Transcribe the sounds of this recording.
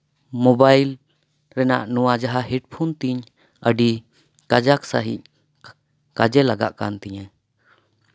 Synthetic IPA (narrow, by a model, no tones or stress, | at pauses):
mɔbajl | ɾɛna̰ʔnuwad͡ʒaɦaɦɛɖ̚pʰunt̪iɲ | əɖi | kad͡ʒaksaɦḭc̚ | kad͡ʒɛlaɡa̰ʔkant̪ɛɲɛ